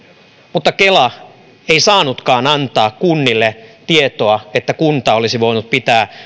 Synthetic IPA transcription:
mut̪ːɑkelɑ | eisɑːnut̪kɑːnɑnt̪ɑːkkunːilːet̪iet̪oɑet̪ːækunt̪ɑolisiʋoinut̪̚pit̪æː

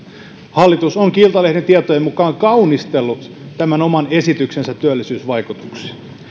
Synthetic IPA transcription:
hɑlːit̪usoŋkilt̪ɑlehdent̪iet̪oeimukɑːŋkɑunist̪elːu | t̪æmænomɑnesit̪yksensæt̪t̪ːyølːisyːsʋɑikut̪u̥ksi̥

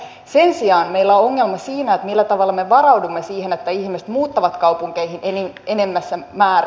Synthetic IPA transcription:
se̞nsiɑːnme̞ilːæooŋːelmɑsiːnæet̪milːæt̪ɑʋɑlːɑmeʋɑrɑwdumːesiːhenet̪ːæihmise̥t̪muːt̪ːɑʋɑt̪kɑupuŋkeihinʔenimenemːæsːæmæːr

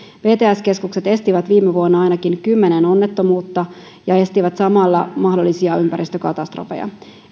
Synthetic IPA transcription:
ʋe̞ːt̪eːæskeskukset̪e̞st̪iʋæt̪ʋiːmːeʋuonːɑɑjnɑkinkymːe̞neno̞nːet̪ːo̞muːt̪ːɑ | jɑe̞st̪iʋæt̪sɑmɑlːɑmɑhdolːisiɑympæɾist̪økɑt̪ɑst̪ro̰fḛjɑ̰

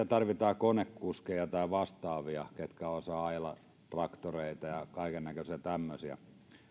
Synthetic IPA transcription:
æt̪ɑrʋit̪ɑːkonekːuskejɑt̪ɑiʋɑst̪ɑːʋiɑket̪kæosɑːɑilɑ̰ | t̪rɑkt̪oreˑit̪ɑjɑkɑikennækøsiæt̪æmːøsiæ̰

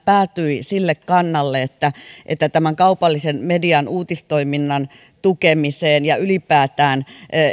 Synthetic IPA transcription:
pæːt̪yisilːekkɑnːɑlːeet̪ːæʔḛt̪ːæt̪æmæŋkɑupɑlːisenmediɑnuːt̪ist̪oiminːɑn | t̪ukemiseːnjɑylipæːt̪æːn

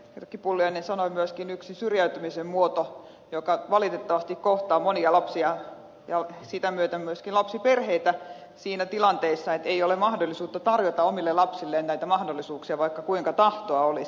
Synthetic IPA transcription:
rkːipulːujɑinensɑnoimyøskinyksisyrjæyt̪ymisemmuot̪o | jokɑʋɑlit̪et̪ːɑʋɑst̪ikkoht̪ɑːmoniɑlɑpsiɑ | jɑsit̪æmyøt̪æmyøskinlɑpsiperheit̪æ | siːnæt̪ilɑnt̪eisːɑet̪eiolemɑhdolːˑisuːt̪ːɑt̪ɑrjot̪ɑomilːelɑpsilːeːnnæit̪æmɑhdolːˑisuːksiɑʋɑikːɑkuiŋkɑt̪ɑht̪oɑolis

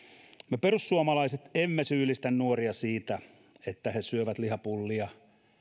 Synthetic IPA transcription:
meperusːuomɑlɑiset̪emːesyːlist̪ænnuoriɑsiːt̪æ | et̪ːæhesyøʋæt̪lihɑpulːiɑ

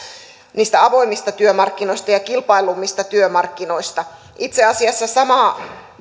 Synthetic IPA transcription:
niːst̪æɑʋo̞imːist̪ɑt̪yømɑrkːinoist̪ɑjɑkilpɑilumːist̪ɑt̪yømɑrkːinoist̪ɑ | ʔit̪seɑsiɑsːɑsɑmɑˑ

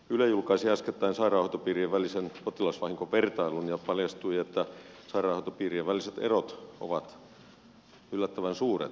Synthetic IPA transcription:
ylejulkɑisiæsket̪ːæinsɑirɑˑːhot̪ːopiːrieʋʋælisenpot̪ilɑsʋɑhiŋkoʋʋert̪ɑilunjɑpɑljɑst̪uiet̪ːæ | sɑirɑːˑhot̪opiːrieʋʋæliset̪erot̪o̰ʋɑt̪ | ylːæt̪ːæʋænsuːrḛt̪

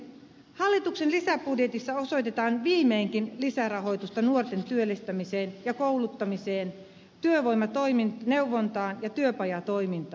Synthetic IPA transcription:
hɑlːit̪uksenlisæpudjet̪isːɑo̞sojt̪et̪ɑːnʋiːmeːŋkinlisærɑɦo̞jt̪ust̪ɑnuort̪ent̪yølːist̪æmiseːnjɑkoulut̪ːɑmiseːn | t̪yøʋojmɑt̪oiminneuʋːont̪ɑːnjɑt̪yøpɑjɑt̪oimint̪ɑː

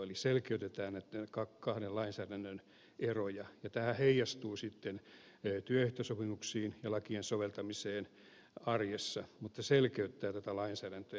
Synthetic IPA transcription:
oliselkeyt̪et̪æːnnæt̪nekɑkːɑhnelɑinsæːdænːøn | erojɑjɑt̪æhæheijɑst̪uːsit̪ːenː | t̪yøyht̪øsopimuksiːnjɑlɑkiensoʋelt̪ɑmiseːn | ɑrjesːɑmut̪ːɑselkeyt̪ːæːt̪æt̪ælɑinsæːɾænt̪ø

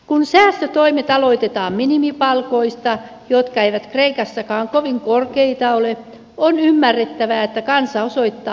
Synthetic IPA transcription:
kunsæːst̪øt̪oimet̪ɑloit̪et̪ɑːmminimipɑlkoist̪ɑ | jot̪kɑeiʋæt̪kreikɑsːɑkɑːŋkoʋiŋkorkeit̪ɑole | onymːærːet̪ːæʋæet̪ːækɑnsɑosoit̪ːɑː

